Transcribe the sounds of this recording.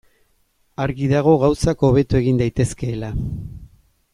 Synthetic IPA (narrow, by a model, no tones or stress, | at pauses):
aɾɣiðaɣ̞o̞ɣawsako̞β̞e̞t̪ue̞ɣind̪ajt̪e̞ske̞ːla